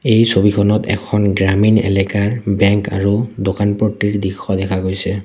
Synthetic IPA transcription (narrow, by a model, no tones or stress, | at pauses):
ejsobikʰɔnɔtɛ̰kʰɔnɡɹaminɛ̰lɛkaɹbɛŋka̰ɹudokanpɹotːiɹdixʰɔdɛkʰaɡojsɛ